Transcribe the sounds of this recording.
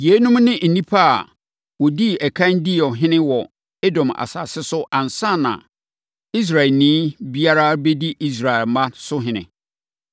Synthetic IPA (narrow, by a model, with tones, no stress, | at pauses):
ji˨e˦nũ˦mnɪ̃˦n̩˨nĩ˦pʰa˦a̰˨ | wɔ˨di˦ɛ˨kʰã˦n˦di˦ɔ˨ɦɪ̃˦nɪ̃˦wɔ˨ | e˦dɔ̃˨ma̰˨sa̰ː˨sɪ˦sʊ˦ʔã˨nsã˦˨nã̰˨ | i˦s̬ɾa˨ɛ˨lnĩː˦bi˦a˦ɾa˦be˦di˦ʔi˦s̬ɾa˨ɛ˨lmã˦sʊ˦ɦɪ̃˦nɪ̰̃˨